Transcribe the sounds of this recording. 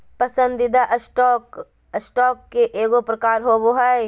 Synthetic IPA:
pɐsə̃nd̪ɪd̪aʔəsʈɔːk | əsʈɔːkːeʔeːɡopɾɐkaːɾɦoːboɦaj

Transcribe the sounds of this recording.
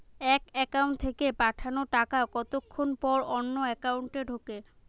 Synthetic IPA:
ɛkɛkauɳʈt̪ʰekepaʈʰanoʈakakɔt̪okʰːonpɔɾɔnːoɛkawɳʈeɖʱoke

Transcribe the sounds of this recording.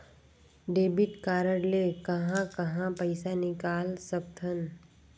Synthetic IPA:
ɖeːbɪʈkaːɾəɽleːkɐɦãkɐɦãpɐɪsanɪkaːlsɐb̚t̪ʰən

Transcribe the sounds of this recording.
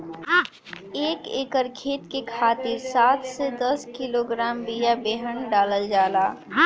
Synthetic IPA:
eːkeːkəɾkʰeːt̪kekʰaːt̪iɾsaːt̪ʰsed̪əskiloɡɾaːmbijabeːɦənɖaːləld͡ʒaːlaː

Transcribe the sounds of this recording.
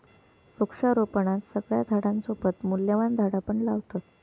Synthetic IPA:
ɾukʂaɾopəɳat̪səɡɭjad̪ʱaɽãnsopət̪muljəʋand̪ʱaɽapəɳlaʋt̪ə

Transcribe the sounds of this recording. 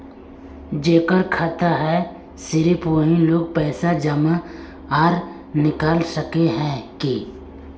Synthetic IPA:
d͡ʒeːkəɾkʰaːt̪aɦɛ | sɪɾipoːɦĩloːɡ̚pɛːsad͡ʒəma | aːɾ | nɪkaːlsəkeɦɛ̃kiː

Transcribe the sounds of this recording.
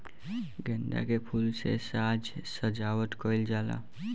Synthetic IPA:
ɡɛ̃ːɳɖa̰kepʰuːlsḛsaːd͡ʒsəd͡ʒaːwəʈ̪koːɪld͡ʒaːla̰

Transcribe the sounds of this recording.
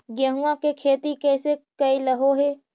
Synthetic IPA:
ɡjəɦuãkekʰeːt̪ikɛːsekɐiləɦoɦeː

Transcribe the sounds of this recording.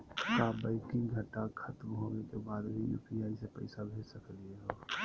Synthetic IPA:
t͡ʃabaɪkɪ̃ŋɡɡʱəʈːakʰət̪mɦoːnekebaːd̪bʱijṵːpiaːisepə̰ɪsabʱeːd͡ʒsəklieɦoː

